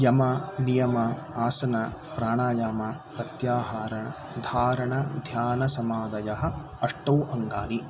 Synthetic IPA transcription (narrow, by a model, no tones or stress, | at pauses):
jɐmɐnijɐmɐ | aːsɐnɐpɾaːɳaːjaːmɐpɾɐt̪jaːɦaːɾɐɳɐ | d̪ʱaːɾɐɳɐd̪ʱjaːnɐsɐmaːd̪ɐjɐɦɐ̆ | ɐʂʈɐwʔɐŋɡaːni